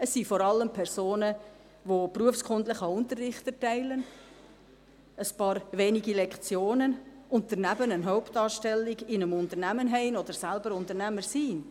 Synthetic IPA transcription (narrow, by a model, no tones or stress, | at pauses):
əsːifɔɾɑlːəmpʰɛɾsoːnə | ʋopruəfskʰʊndləχəʊntərːɪχtətɛɪlən | əspɑːɾʋeːniɡilɛkt͡sjoːnən | ʊntəɾnæbənənɦɔʊptɑːʃtɛlːiɡɪnəmʊntəɾnæmənɦɛɪnɔd̥̪əɾsælbəɾʊntəɾnæməɾsiːn